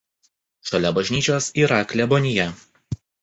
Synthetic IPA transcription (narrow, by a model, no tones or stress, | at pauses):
ʃɔlʲɛbɐʒʲnʲiːt͡ʃʲoːsiːɾɐklʲɛbɔnʲɪjɛ